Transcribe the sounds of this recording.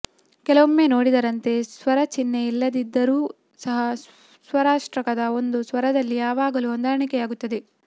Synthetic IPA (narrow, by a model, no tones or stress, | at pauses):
kɛlɐʋomːe̞ːno̞ːɽid̪ɐɾɐnt̪e̞sʋɐɾɐt͡ʃinːeilːɐd̪id̪ːɐɾuː | sɐɦɐ | sʋɐɾaːʂʈɾɐkɐd̪ɐo̞nd̪usʋɐɾɐd̪ɐlːijaːʋaːɡɐluond̪aːɾɐɳikɛjaːɡut̪ːɐd̪e̞